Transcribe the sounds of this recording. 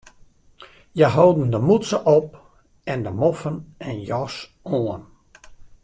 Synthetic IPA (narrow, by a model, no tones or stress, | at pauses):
jəɦowdən̩dəmut͡səʔɔp̚ | ɛndəmɔfənɛnjɔs | oən